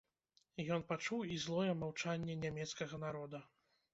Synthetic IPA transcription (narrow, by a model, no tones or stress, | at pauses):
jɔnpat͡ʂuwizlˠɔjɛmawt͡ʂanʲːɛnʲamʲɛt̪skɐɣɐnaɾɔd̪ɐ